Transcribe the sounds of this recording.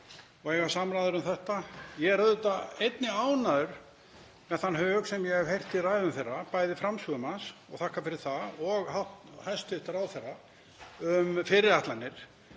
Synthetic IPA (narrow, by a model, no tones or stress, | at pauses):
ɔɣjɛɣasamɾaːðʏɾʏmθɛht̪ajɛɛɾaðt̪aejt̪nɪaːwnaðʏɾ̥ | mɛðθanːhœːɣsɛmjɛɣɛv̥hejr̥t̪iraːjðʏmθejrːapaːjðɪfɾamsuʏmansɔɣθahkːafɪɾɪɾ̥θaɔɣhat̪hajst̪ʏht̪ɾawθɛrːa | ʏmfɪɾɪðaht̪lanːɪɾ̥